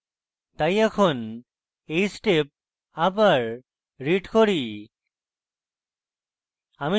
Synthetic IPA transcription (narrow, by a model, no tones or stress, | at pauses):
t̪ajɛkʰon | ejsʈep̚ | abaɾː | iʈkoɾi | ami